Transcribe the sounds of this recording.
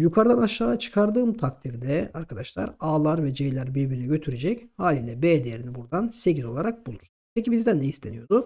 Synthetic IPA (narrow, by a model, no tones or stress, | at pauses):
jukʰaɾd̪anaʃaːat͡ʃʰɯ̥kʰaɾd̪ɯːmt̪ʰak̚t̪ʰiɾd̪ɛaɾkʰad̪aʃlˠa̰ɾaːlˠaɾvɛd͡ʒejlʲæɾbebiɾnɛɟø̞t̪ʰyɾed͡ʒɛchaːlʲiːlʲɛbeːd̪ejeɾinibuɾd̪anseɟizo̞lˠaɾak̚bulˠuɾ̥ | pʰecibizd̪ænd̪ɛist̪ʰe̞nijo̞d̪u